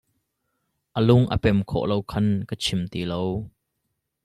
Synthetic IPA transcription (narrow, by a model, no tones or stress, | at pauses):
ʔəlʊŋʔə̰pɛmkʰɔ̰ʔlowkʰɐnkət͡sʰɪmt̪iːlow